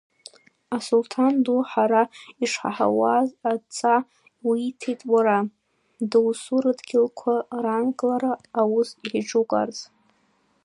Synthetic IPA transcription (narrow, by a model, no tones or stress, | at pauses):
asultʰanduħaɾaiʂħa̰ħa̰wazat͡sʼa | wiitʰejtʼwaɾa | dɨwsuɾɨdɡʲɪlkʷʰarankʼlaɾaːwʊsiħiʈ͡ʂukʼa̰rt͡sʼ